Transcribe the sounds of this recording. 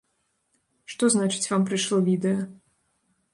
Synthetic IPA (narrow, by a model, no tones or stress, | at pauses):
ʂt̪ɔznat͡ʂɨ̥t͡sʲvampɾɨʂlˠɔvʲid̪ɛjɐ